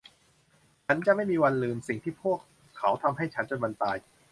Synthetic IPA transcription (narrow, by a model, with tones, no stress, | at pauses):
t͡ɕʰa˦˥nt͡ɕa˧˨ʔma˥˩jmiː˧wa˧nlɯː˧msi˨˩ŋt̪ʰiː˥˩pʰu˥˩əkʰː | a˦˩˥wt̪ʰa˧mɦa˥˩jt͡ɕʰa˦˥nt͡ɕa˨˧ba˧nt̪aː˧j